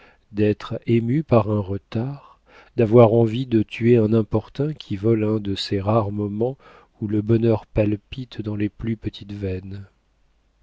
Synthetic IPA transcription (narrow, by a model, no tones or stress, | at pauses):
d̪ɛt̪χemypaʁɛ̃ʁət̪aʁ | d̪avwaʁɑ̃vid̪ət̪ʰyeɛ̃nɛ̃pɔʁt̪ɛ̃kʲʰivɔlɛ̃d̪əseʁaʁmɔmɑ̃ | uləbɔnœʁpalpit̪d̪ɑ̃leplypət̪ʰit̪vɛn